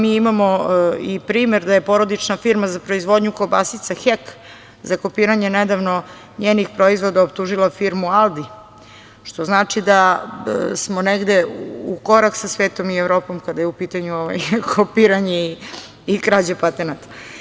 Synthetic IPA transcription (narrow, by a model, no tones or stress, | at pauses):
miːimamo̞ipɾiːmeɾd̪ajepo̞ɾo̞d̪it͡ʂnafiɾmazapɾo̞izʋo̞d̪ɲukobasit̪saxek | zako̞piːɾaɲened̪aʋno̞ | ɲeːnixpɾo̞izʋo̞d̪aop̚t̪uʒilˠafiɾmualˠd̪i | ʃt̪o̞znaːt͡ʂid̪a | smo̞neɡd̪eukoɾaksasʋeːt̪o̞mievɾo̞ːpo̞mkad̪ajeupiːt̪aɲuoʋa̰jkʰopiːɾaɲei | ikɾad͡ʑapat̪enat̪ḁ